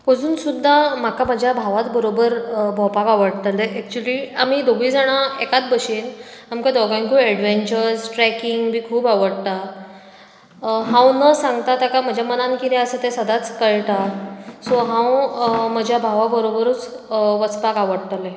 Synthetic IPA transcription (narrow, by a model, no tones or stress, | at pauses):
əd͡zuːnsud̪ʱːamakaməd͡ʑʱjabʱaʋat̪bəɾobəɾbʱɔpakaʋəɽt̪əleʔɛk̚t͡ɕuəliːam̤iːd̪oɡʋiːd͡zaɽ̃aekat̪̚bəɕenamkad̪ɔɡãŋkuːɛɽʋeɲt͡ɕəɾd͡zʈɾɛkiŋɡbiːkʰuːbaʋəɽt̪a | ɦãwnəsãŋɡt̪at̪akam̤əd͡ʑʱjamənankid̪ɛəsət̪ẽsəd̪at͡skəɭʈ̪asɔɦãwməd͡ʑʱjabʱaʋabəɾobəɾuːt͡s | ʋət͡spakaʋəɽt̪əle